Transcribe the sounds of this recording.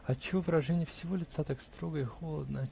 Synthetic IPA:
ɐt͡ɕːɪvovɨɾɐʐɛnʲɪjəfsʲɪvo̞lʲɪt̪sat̪akst̪ɾoɡəɪxo̞lˠəd̪nə

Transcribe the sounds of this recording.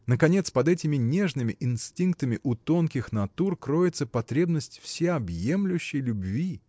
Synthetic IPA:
nəkɐnʲe̞t̪spɐd̪ɛtʲɪmʲɪnʲe̞ʐnɨmʲɪʔɪnsʲtʲink̚t̪əmʲɪʔʊt̪o̞nkʲɪxnɐt̪urkɾo̞jɪt̪səpɐt̪ɾʲe̞bnəsʲtʲfsʲeɐbje̞mlʲʊɕːɪjlʲʊbvʲi

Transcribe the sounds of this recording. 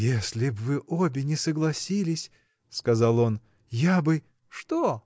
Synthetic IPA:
jesʲlʲɪbvɨʔobʲɪnʲɪsəɡlˠɐsʲilʲɪsʲ | skɐzɑlˠo̞n | jabɨ | ʂt̪o

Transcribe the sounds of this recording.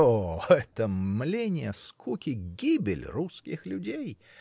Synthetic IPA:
oɛt̪əmlʲenʲɪjəskʰukʲɪɡʲibʲɪ̰lʲruskʲɪxlʲʊdʲej

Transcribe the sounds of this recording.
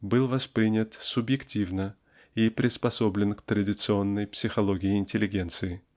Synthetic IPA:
bɨlˠvɐspɾʲinʲət̪sʊbjɪktʲivnə | ipɾʲʔɪspɐso̞blʲɪnkt̪ɾədʲɪt̪sɨo̞nːəjpsʲɪxɐlˠoɡʲɪɪɪnʲtʲɪlʲːɪɡʲe̞nt̪sɨɪ

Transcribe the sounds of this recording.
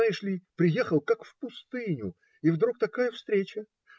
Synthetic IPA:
aɪʂlʲipɾʲɪjexəlˠkakfpʊst̪ɨnʲʊ̰ | ivd̪ɾuk̚t̪ɐkajəfst̪ɾʲet͡ɕə

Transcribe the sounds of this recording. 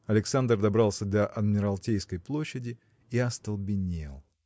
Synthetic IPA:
ɐlʲɪksand̪rd̪ɐbɾɑlˠsʲəd̪ɐʔɐd̪mʲɪɾɐlˠtʲejskəjplˠo̞ɕːɪdʲɪ | iɐst̪əlˠbʲɪnʲḛlˠ

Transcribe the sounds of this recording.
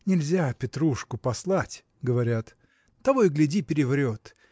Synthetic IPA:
nʲɪlʲzʲapʲɪt̪ɾuʂkʊpɐslˠatʲ | ɡəvɐɾʲat̪ | t̪ːɐvojɡlʲɪdʲipʲɪɾʲɪvɾʲo̞t̪

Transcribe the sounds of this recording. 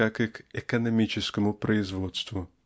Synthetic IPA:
akɪkɛkɔnɔmʲit͡ʃɪskɔmʊpɾɔɪzʋɔt̪st̪ʋu

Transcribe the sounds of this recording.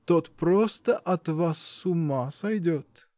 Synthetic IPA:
t̪ot̪pɾɔst̪ɐʔɐt̪vasːumasɐjd̪ʲot̪

